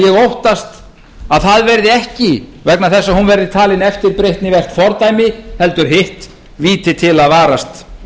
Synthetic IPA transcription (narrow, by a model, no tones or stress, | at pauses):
jɛɣowht̪ast̪ | aðθaðvɛɾðɪɛhcɪvɛknaθɛsːahunvɛɾðɪt̪ʰaːlɪnɛft̪ɪɾpɾejht̪nɪvɛr̥t̪fɔɾt̪aːjmɪhɛlt̪ʏɾ̥ɦɪht̪ | viːt̪ɪt̪ʰɪlaðvaːɾast̪